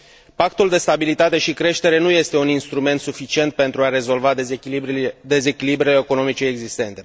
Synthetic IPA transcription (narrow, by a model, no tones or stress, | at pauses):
pakt̪uld̪e̞st̪abilit̪at̪e̞ʃikɾe̞ʃt̪e̞ɾe̞nuje̞st̪e̞uninst̪ɾume̞nt̪sufit͡ʃie̞nt̪̚pe̞nt̪ɾuaɾe̞zo̞lva | d̪e̞ze̞kʲilibɾeeko̞no̞mit͡ʃe̞ːɡzist̪e̞nt̪e̞